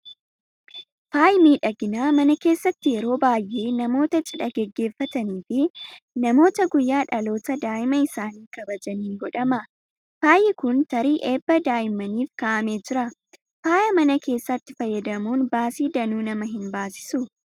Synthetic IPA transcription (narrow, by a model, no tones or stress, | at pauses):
faːjɪmiːᶑɐɡɪnaːmɐnɐke̞ːsːɐt̪ːɪjɛɾo̞ːbaːjʔe̞ːnɐmo̞ːt̪ɐt͡ʃʼɪᶑɐɡɛɡːe̞ːfːɐt̪ɐniːfɪnɐmo̞ːt̪ɐɡʊjːaːᶑɐlo̞ːt̪ɐd̪aːʔɪmɐɪsaːniːkɐbɐd͡ʒɐniːɡɔᶑɐmɐ | faːjɪkʊnt̪ɐɾiːʔe̞ːbːɐd̪aːjɪmɐniːfkaːʔɐme̞ːd͡ʒɪɾɐ | faːjɐmɐnɐkʰe̞ːsːɐt̪ːɪfɐjːɐd̪ɐmuːnbaːsiːd̪ɐnuːnɐmɐɦɪnbaːsɪ̥sʊ